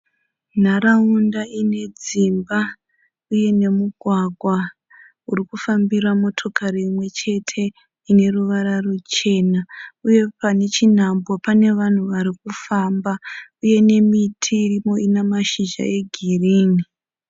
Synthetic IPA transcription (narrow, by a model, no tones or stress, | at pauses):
n̤aɾaundaine̞d͡zimba | uje̞ne̞muɡʱwaɡʱwa | urikufambiramo̞tʰo̞kaɾiːmwe̞t͡ʃe̞tʰe̞ | ine̞ruʋaɾarut͡ʃe̞ːnauje̞pane̞t͡ʃin̤ambopane̞ʋan̤uʋaɾikufambauje̞ne̞mitʰiːrimo̞inemaʃiʒa̰e̞ɡʱiriːni